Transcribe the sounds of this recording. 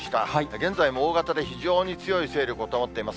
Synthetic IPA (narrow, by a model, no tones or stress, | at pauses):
ɕi̥t̪aɡẽ̞nd͡zaimo̞oːɡat̪ad̪e̞çiʑo̞ːɲ̟it͡sɨjo̞ise̞ːɾʲokɯot̪oːmot̪ːe̞imas